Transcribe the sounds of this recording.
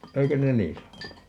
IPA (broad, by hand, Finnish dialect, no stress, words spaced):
eikø ne niː sɑnonu